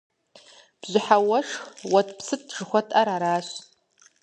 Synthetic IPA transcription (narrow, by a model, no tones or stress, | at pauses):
b̥zʷɪħawɐʂxwɐtʰpʰsɨt̚ʐɨχʷɔtʰʼaɾaɾaːɕ